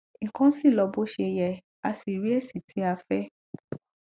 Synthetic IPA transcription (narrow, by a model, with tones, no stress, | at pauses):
ŋ̩˨kã˦si˦˨lɔ˧bo˦ʃe˧jɛ˨ | a˧si˨ɾi˨˦ɛ˦˨si˦˨tʰi˨˦a˧fɛ˦